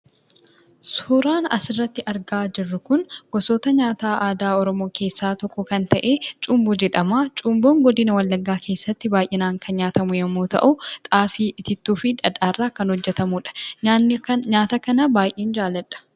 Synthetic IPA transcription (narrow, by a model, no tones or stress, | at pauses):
suːɾaːnɐ̰sɪrːɐt̪ːɪʔɐɾɡaːd͡ʒɪrːʊkʊnɡ̥ɔsoːt̪ɐɲaːt̪aːʔaːd̪aːɔɾɔmo̞ːkʰe̞ːsːaːt̪ɔkːɔkɐnt̪ɐʔe̞ːt͡ʃʼʊmbʊd͡ʒɛᶑɐmaːt͡ʃʼʊmboːŋɡɔd̪ɪnɐwɐlːɐɡːaːkʰe̞ːsːɐt̪ːɪbaːjʔɪnaːŋkʰɐnɲaːt̪ɐmʊjɐmːoːt̪ɐ̰ʔʊt̪ʼaːfiʔɪt̪ɪt̪ːuːfɪᶑɐd̪aːrːaːkɐnhɔd͡ʒːɛt̪ɐmuᶑɐ̥ | ɲaːt̪ɐkɐnɐbaːjʔeːnd͡ʒaːlːɐᶑɐ̥